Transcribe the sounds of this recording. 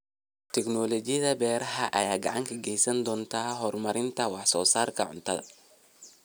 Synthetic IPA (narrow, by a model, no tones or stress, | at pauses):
t̪ʰɛknɔːlɔt͡ʃɪjɐðɐbɛːɾɐɦɐʔɐ̰jaːɡɑ̰ʕɑŋkʰɐɡɛjsɐnd̪ɔːnt̪ʰaːɦɔrmɐɾɪnt̪ʰɐwɑħsɔːsaːrkʰɐʕʊ̰nt̪ʰɐðɐ̰